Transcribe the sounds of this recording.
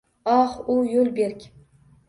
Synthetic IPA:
ɑχʊjolbeɾkʲ

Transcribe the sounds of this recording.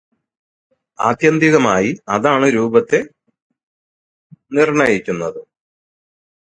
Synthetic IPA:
a̰ːd̪jɐnd̪iɣɐmaːjiɐðaːɳɨɾuːbɐt̪ːe̞ | nirɳɐjikʲːunːɐðɨ

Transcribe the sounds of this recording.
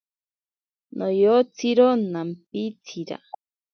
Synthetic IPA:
nʔojot͡sʰiɾonampit͡sʰiɾa̰

